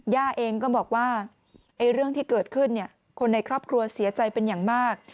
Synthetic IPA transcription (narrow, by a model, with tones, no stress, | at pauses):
jaː˥˩ʔeː˧ŋkɔː˥˩bɔː˨˩k̚waː˥˩ | ʔa˧jɾɯ˥˩əŋt̪ʰiː˥˩kɤː˨˩t̪̚kʰɯ˥˩nːi˥˩ɐ | kʰo˧nːa˧jkʰɾɔː˥˩p̚kʰɾu˧ɐsi˨˩˦ɐt͡ɕa˧jpe˧njaː˨˩ŋmaː˥˩k̚